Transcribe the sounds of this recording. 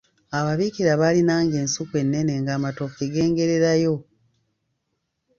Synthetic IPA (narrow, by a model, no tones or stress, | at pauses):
aβaβikiɾaβalinaːŋɡe̞ːnsukwe̞nːe̞ne̞ŋɡaːmatofeɡe̞ːŋɡe̞ɾe̞ɾajo̞